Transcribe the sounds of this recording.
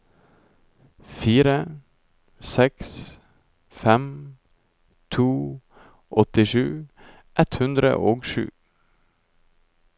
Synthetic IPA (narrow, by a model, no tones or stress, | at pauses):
fiːɾə | sɛks | fɛm | t̪ʰuː | ʔɔt̪ɪʃʉː | ʔɛt̪hʉnd̪ɾə̰ʔoːɡʃʉ̰ː